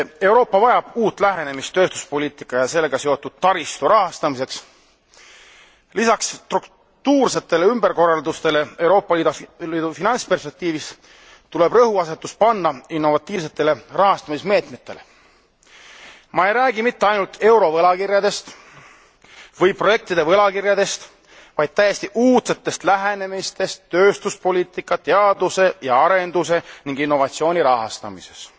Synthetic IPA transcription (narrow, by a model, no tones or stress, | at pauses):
e̞wɾo̞ːpːˑɑvɑjɑb̥uːt̪ːˑlæɦe̞ne̞mist̪ːø̞ːst̪u̥spo̞lʲiːt̪ˑikːˑɑjɑse̞lːeɡ̥ɑseo̞t̪ːˑud̪̥̚t̪ːɑɾist̪uɾɑɦɑst̪ɑmise̞ks | lisɑkst̪ruk | t̪uːrse̞t̪ːe̞le̞ymb̥eɾko̞rːɑld̪ust̪e̞le̞e̞wɾo̞ːpːˑɑliːd̪ɑliːd̪̥ufinɑnspe̞rspek̚t̪iːvis | t̪ule̞b̥rɤhuɑse̞t̪ːˑuspɑnːɑinːo̞vɑt̪ːˑiːvs̬e̞t̪ːˑe̞le̞rɑɦɑst̪ɑmisme̞ːt̪me̞t̪ːˑe̞le̞ | mɑe̞jɾæːɡ̥imit̪ːeɑjnult̪ʰe̞wɾo̞vɤlɑkiɾjɑd̪e̞st̪ | vɤjpro̞je̞k̚t̪id̪̥e̞vɤlɑkirjɑd̪e̞st̪ | vɑjd̪̥̚t̪æjest̪iʔuːt̪se̞t̪ːˑe̞st̪læɦene̞mist̪e̞st̪ːøːst̪uspo̞lʲiːt̪ˑikːˑɑt̪eɑd̪use̞jɑɑɾe̞nd̪̥use̞niŋɡ̥inːo̞vɑt̪sio̞ːnʲiɾɑɦɑst̪ɑ̰mise̞s